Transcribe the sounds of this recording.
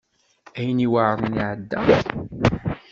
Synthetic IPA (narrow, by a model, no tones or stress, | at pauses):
æjəniwaʕɾˤəniʕəd̪ːæ